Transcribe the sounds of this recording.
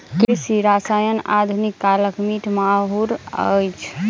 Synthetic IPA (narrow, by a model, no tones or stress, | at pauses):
kɾisiɾasajəna̰d̪ʱunikːaləkmiʈʰmaɦuɾə̰jt͡ʃʰ